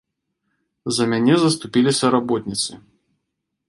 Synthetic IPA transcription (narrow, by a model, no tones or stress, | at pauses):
zɐmʲanʲɛzɐst̪upʲilʲisʲɐɾabɔt̪̚ʲnʲit̪sɨ